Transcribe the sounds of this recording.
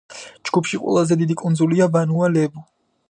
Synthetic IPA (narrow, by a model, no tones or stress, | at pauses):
d͡ʒɡ̥upʰʃiqʼwɛ̰lˠazɛd̪id̪ikʼund̪zuliavanualɛbu